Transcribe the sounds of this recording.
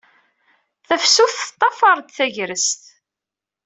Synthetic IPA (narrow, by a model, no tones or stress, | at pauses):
θæfsuθt̪ˤːɑfɑɾˤd̪θæʝɾəst̪